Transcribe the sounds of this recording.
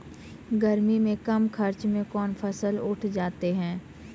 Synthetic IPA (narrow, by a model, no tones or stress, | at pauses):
ɡəɾmimẽkɐmkʰɐɾt͡ʃmẽkɔːnpʰɐsəlʊʈʰd͡ʒaːt̪eɦɛ̃ː